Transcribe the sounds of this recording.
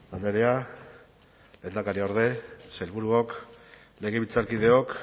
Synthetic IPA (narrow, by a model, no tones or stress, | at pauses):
land̪eɾea | leːnd̪akaɾioɾðe̞selβuɾuok | le̞ɣ̞e̞βit͡saɾkið̞e̞ok